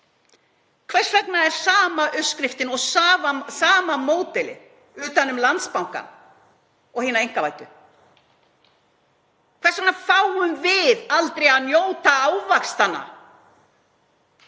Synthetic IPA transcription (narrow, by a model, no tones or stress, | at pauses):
kʰvɛr̥svɛknaɛɾ̥saːmaʔœskɾɪft̪ɪnɔɣsaːvasaːmamoːwt̪ɛlɪ̰ | ʏːt̪anːʏmlant̪spawŋka̰ | ɔɣhiːnaɾejŋ̥kavaːjt̪ʏ | kʰvɛrsaknafawhʏnvɪðalt̪ɾejaðnjoːwt̪aaːwvakst̪ana̰